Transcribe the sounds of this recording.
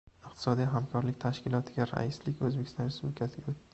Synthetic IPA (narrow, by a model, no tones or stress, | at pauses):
ɪqt̪ʰɪ̥sɒd̪ijɦamkʰɒɾlɪk̚ʲt̪ʰaʃkʲɪlˠɒt̪ʰɪɡʲaɾa̰islɪkʲɵzbekʲʰɪst̪ɒnɾɪsʊblɪkʲʰasɪɡʲaot̪ː